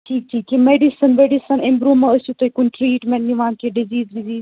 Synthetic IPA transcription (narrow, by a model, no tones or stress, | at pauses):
ʈʰiːk̚ʈʰiːk̚ʈʰimeːɖisənmeɖɪsənɪ̃mbɾuːmɐ̃ɐsut̪ɐikʊnʈɾiːʈmẽɳʈniʋãːnk̪ʰeɖɪziːzɖɪziːz